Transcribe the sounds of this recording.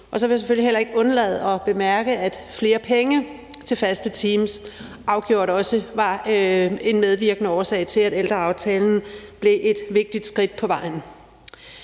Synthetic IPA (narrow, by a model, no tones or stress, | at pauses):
ʔɒ̽sɒ̽ʋejaseføl̰iɦelɐe̝ɡ̥ɔ̽nɐlɛ̰ːð̞̩ˠɒ̽b̥e̝mæɐɡ̥əæd̥fle̝ːɐpʰeŋə | t͡sʰe̝lfæsd̥ət͡sʰiːms | ʔɑ̈ʊɡ̥jo̝ɐ̰ɾɒ̽səʋɑ̈ | e̝nmeð̞ˠʋiɐɡ̥ənəɒːsɛ̰ɪt͡sʰe̝læd̥eld̥ʁɐɑ̈ʊt͡sʰɛːln̩b̥le̝ʔe̝d̥ʋe̝ɡ̥̚d̥id̥sɡ̥ʁid̥̚pʰɒ̽ʋɑ̈ɪ̰n̩